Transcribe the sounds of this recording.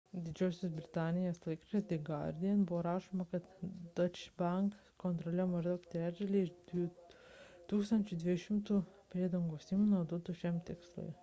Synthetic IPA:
d̪ʲɪd͡ʒʲoːsʲos̬bʲɾʲɪt̪ɑːnʲɪjɛːslˠɐɪkʲot͡ʃʲesd̪ʲɐɪɡɑ̰ɾʲd̪ʲijɛnbʊʋoːɾɑːʃoːmɐkɐt̪d̪ot͡ʃbɐŋk | kɔnt̪ɾɔlʲɛːmɐʒʲd̪ɐkt̪ʲɾʲæːd̪ʲɐlʲiɪd̪ʲʊ | t̪uːkst̪ɐnʲt͡ʃʲʊd̪ʲʋʲiʃʲɪmt̪uːpʲɾʲeːd̪ɐŋɡoːsiːmunoːd̪ʊt̪ʊʃʲɛmt̪ʲɪkslˠʊ̰j

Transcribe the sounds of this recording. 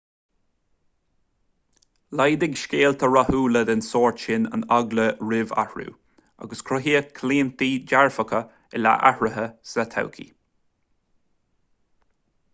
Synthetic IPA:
lajd̪ɪɡʃkeːlt̪ʰəɹahuːləd̪ɪnsɔːɹʃɪnə̰naɡləɹɪva̰hɹṵː | a̰ɡəskʰɾʊɦiːəkʰliːnt̪iːd͡ʒaɹfəkə | ɛla̰ʔahɹəɦəsat̪ʰa̰wkʰḭ

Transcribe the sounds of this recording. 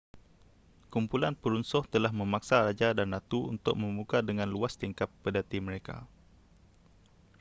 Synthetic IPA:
kumpulanpəɾunsɔht̪əlahmə̃maksaɾad͡ʒadanːat̪uṵnt̪ʊk̚mə̃mukadəŋãnluast̪iŋkapːədat̪imə̃ɾeka̰

